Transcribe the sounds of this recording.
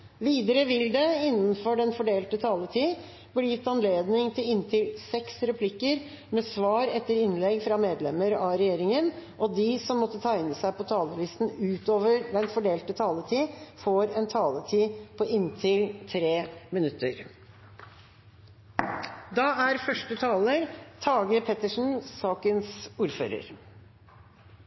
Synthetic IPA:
ʋiːd̪əɾəʋɪld̪ɛɪnːənfɔɖɛnfɔɖeːlt̪ət̪ʰɑːlət̪ʰiː | blɪjɪt̪ːɑnleːd̪nɪŋt̪ʰɪlɪnt̪ʰɪlsɛksɾɛpʰlɪkəɾ | mɛsʋɑːɾɛt̪ːəɾɪnlɛɡfɾɑmeːd̪lɛməɾɑɾɛjeːɾɪŋənʔɔd̪ɪsɔmːɔt̪ːət̪ʰæɪnəsæɪpʰɔt̪ʰɑːləlɪst̪n̩ʉːt̪oːʋəɾd̪ɛnfɔɖeːlt̪ət̪ʰɑːlət̪ʰiːfoːɾɛnt̪ʰɑːlət̪ʰiːpʰɔʔɪnt̪ʰɪlt̪ʰɾeːmɪnʉt̪ːəɾ | d̪ɑæɾfœʂʈət̪ʰɑːləɾt̪ʰɑːɡəɾpʰɛt̪əʂn̩sɑːkənsuːɾfø̰ːɾə̰ɾ

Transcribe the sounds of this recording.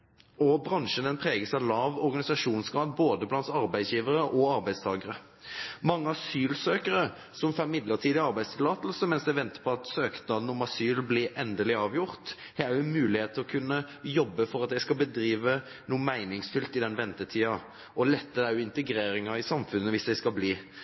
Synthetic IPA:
ɔbɾɑŋʃənɛnpʰʁeːɡəsɑlɑːʋɔɾɡɑnɪsɑʂuːnsɡɑːd̪boːd̪əblɑnt̪ɑɾbæɪd̪sjiːʋəɾəʔɔɑɾbæɪst̪ʰɑːɡəɾə | mɑŋːəɑsyːlsøːkəɾə | sɔmfɛmɪd̪ləʁt̪ʰiːd̪ɪɑɾbæɪst̪ʰɪlɑːt̪l̩səmɛnsd̪æɪʋɛnt̪ə̥pʰɔɑt̪søːknɑd̪nɔmɑsyːlblɪʔɛnd̪əlɪɑːʋjʊɾt̪ | hɛæjʊnmʉːlɪheːt̪ʰːɪlɔkʰʉnːəjɔbːəfɔɾɑt̪̚d̪ɛæɪskɑbəd̪ɾiːʋə | nuːəmæɪnɪŋsfʏlt̪ɪd̪ɛnʋɛnt̪ət̪ʰiːɑ | ɔlɛt̪ːəæɾjʊɪnt̪əɡɾeːɾɪŋɑɪsɑmfʉnːəʋɪsd̪ɛɪskɑbliː

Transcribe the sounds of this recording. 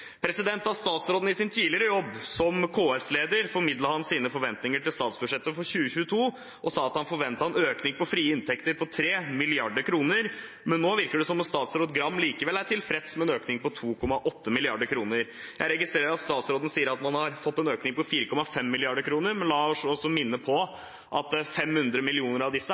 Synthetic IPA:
pʰɾɛsɪd̪ɛnt̪ɑʋst̪ɑːt̪sɾoːd̪̩ɪsɪnt̪ʰiːlɪəɾəjɔbːsɔmkʰoːɛsleːd̪əɾfɔɾmɪd̪lɑhɑnsiːnəfɔɾʋɛnt̪nɪŋəʈɪlst̪ɑːt̪sbʉʂɛt̪ːəfɔɾçʉːəçʉːət̪ʰuː | ʔɔsɑːɑt̪hɑnfɔɾʋɛnt̪əɑnøːknɪŋpɔfɾiːəɪnt̪ʰɛkt̪əɾpɔt̪ʰɾeːmɪlɪɑɖəɾkʰɾuːnəɾ | mɛnːoːʋɪɾkəɖɛsɔmːɔt̪st̪ɑːt̪sɾoːd̪ɡɾɑmːliːkəʋɛlæɾʈʰɪlfɾɛt̪smɛnøːknɪŋpɔt̪ʰuːkʰɔmɑʔɔt̪ːəmɪlɪɑɖəɾkʰɾuːnəɾ | jæɪɾɛɡɪst̪ɾeːɾəɾɑt̪st̪ɑːt̪sɾoːd̪n̩siːəɾɑt̪mɑnhɑɾfɔt̪ːɛnøːknɪŋpɔfiːɾəkɔmɑfɛmːɪlɪɑɖəɾkʰɾuːnəɾmɛnlɑːɔsɔsːɔmɪnːəpʰɔ | ʔɑt̪̚d̪ɛæfɛmhʉnd̪ɾəmɪlɪuːnəɾɑʋd̪ɪsːə

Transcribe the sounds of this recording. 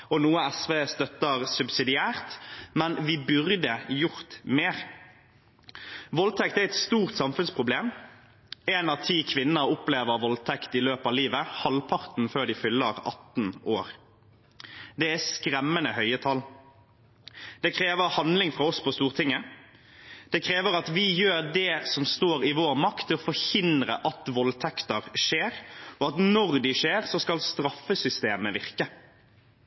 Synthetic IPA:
ɔnuːəɛsʋeːst̪œt̪ːəʁsʉbsɪd̪ɪæːʁt̪mɛnʋɪbʉʁd̪əjʊʁt̪meːʁ | ʋɔlt̪ʰɛkt̪æʁɛt̪st̪uːʁt̪sɑmfʉnspʰʁʊbleːm | ɛːnɑʋt̪ʰiːkʰʋɪnnəɾʊpleːʋəʁʋɔlt̪ʰɛkt̪ɪløːpɑʋliːʋəhɑlpʰɑʁt̪n̩føːʁd̪ɪfʏlːəʁɑ̰t̪n̩oːʁ | d̪ɛæskɾɛmːənəhœʏət̪ʰɑl | d̪̥ɛkʰɾeːʋəɾhɑnd̪lɪŋfɾɑɔspʰɔst̪uːʁt̪ʰɪŋːə | d̪̥ɛkʰɾeːʋəɾɑt̪ʋɪjøːɾd̪ɛsɔmst̪oːɾɪʋoːɾmɑkt̪ʰːɪɔfɔɾhɪnd̪ɾə̰ʔɑt̪ʋɔlt̪ʰɛkt̪əʁʂeːɾɔɑt̪nɔʁd̪ɪʂeːʁsɔskɑlst̪ɾɑfːəsʏst̪eːməʋɪʁkə

